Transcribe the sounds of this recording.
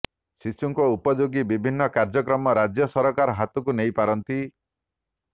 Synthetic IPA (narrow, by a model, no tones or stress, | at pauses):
sisuŋkɔupɔd͡ʒoɡibibʱinːɔkaɾd͡ʒɔkɾɔmɔɾad͡ʒjɔsɔɾɔkaɾɔɦat̪ɔkunejpaɾɔnt̪i